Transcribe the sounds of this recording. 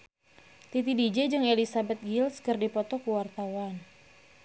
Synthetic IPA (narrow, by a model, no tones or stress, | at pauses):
t̪it̪idid͡ʒɛd͡ʒɨŋelisabɛt̪̚ɡilskɨrdipɔt̪ɔkuwart̪awan